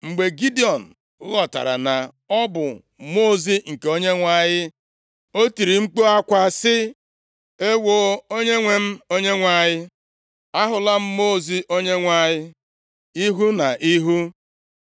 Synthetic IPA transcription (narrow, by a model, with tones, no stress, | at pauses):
ŋ͡m̩˨ɡ͡be˨ɡi˦di˦˨ɔ˨n̩˨˦ | ɣɔ˨ta̰˨ɾa̰˨na˨ | ɔ˦bʊ˨ | mo˦˨zi˦ŋ̩˨ke˨o˦ɲe˦ŋʷa˦˨jɪ˦ | o˦ti˨ɾi˨ŋ͡m̩˦k͡po˦a˦kʷa˦sɪ˦ | e˦wo˨o˦ɲe˦ŋʷe˨m̩˦o˦ɲe˦ŋʷa˨ɲɪ˦ | a˦ɦʊ˨la˦m̩˦mo˦˨zi˦ʔo˦ɲe˦ŋʷa˦ɲɪ˦ | i˦ɦu˦na˨ʔi˦ɦu˦